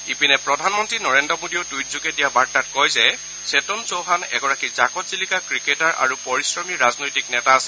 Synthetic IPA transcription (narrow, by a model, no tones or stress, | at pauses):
ipinɛpɹɔdʱanmɔntɹinɔɹendɹɔmodiotujtzukɛdijabaɹtatkɔjzɛ | setɔnsowɦanɛ̰ɡɔɹakizakɔtzilikakɹiketaɹʔa̰ɹupɔɹisɹɔmiɹaznojtiknɛtaːsɛ